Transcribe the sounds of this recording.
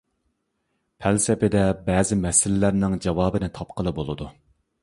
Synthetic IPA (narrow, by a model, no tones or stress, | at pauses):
pʰælsɪpɪd̪ɛbɛːzɪmɛsɪlɪlæɾnɪŋd͡ʒɑwɑːbɨnɪt̪ʰɑpqəlˠɨbolˠɨd̪u